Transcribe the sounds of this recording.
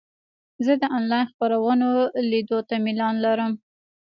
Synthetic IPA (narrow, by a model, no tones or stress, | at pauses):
zəd̪əʔɑnlɑjnxpaɾawənolid̪ot̪amɪlɑnlaɾəm